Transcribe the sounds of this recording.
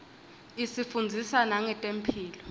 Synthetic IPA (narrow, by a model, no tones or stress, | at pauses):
isifund͡zʱisanaŋɛtʼem̩pʰiːlɔ